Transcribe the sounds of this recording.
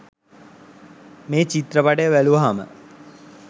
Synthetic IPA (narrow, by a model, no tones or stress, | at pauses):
meːt͡ʃit̪ɾəpaʈəjəʋæluʋaɦamə̰